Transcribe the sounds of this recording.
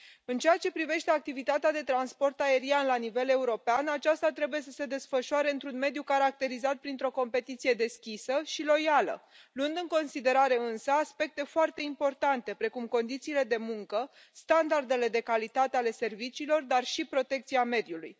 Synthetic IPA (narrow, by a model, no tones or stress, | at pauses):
ɨnt͡ʃeat͡ʃe̞pɾive̞ʃt̪e̞ak̚t̪ivit̪at̪ead̪e̞t̪ɾanspo̞rt̪ae̞ɾianlanive̞le̞uɾo̞peanat͡ʃast̪at̪ɾe̞buje̞s̬ə̥se̞d̪e̞sfəʃuaɾe̞ɨnt̪ɾunme̞d̪jukaɾak̚t̪e̞ɾizat̪̚pɾint̪ɾo̞ko̞mpe̞t̪it̪sije̞d̪e̞skʲisəʃilo̞jalə̰ | luɨnd̪ɨŋko̞nsid̪e̞ɾaɾe̞ɨnsəaspe̞k̚t̪e̞foart̪e̞impo̞rt̪ant̪e̞pɾe̞kumko̞nd̪it̪siːle̞d̪e̞muŋkə | st̪and̪ard̪e̞le̞d̪e̞kalit̪at̪eale̞se̞rvit͡ʃiːlo̞rd̪arʃipɾo̞t̪e̞k̚t̪siame̞d̪juluj